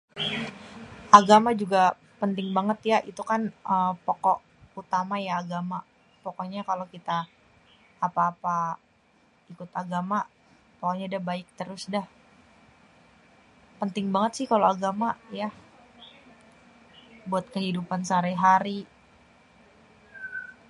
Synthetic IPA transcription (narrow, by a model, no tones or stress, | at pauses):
ʔaɡamad͡ʒuɡa | pənt̪ɪŋbaŋət̪jaʔit̪ukanəmpokɔʔ | ut̪amajaːɡama | pɔkɔɲakalokit̪aː | paːpa | ikʊt̪aɡama | pɔkɔʔɲadahbaɪk̚t̪əɾʊsdah | pənt̪ɪŋbaŋət̪sɪhkaloaɡamaja | buat̪̚kəɦidupansaɾɛɦaɾi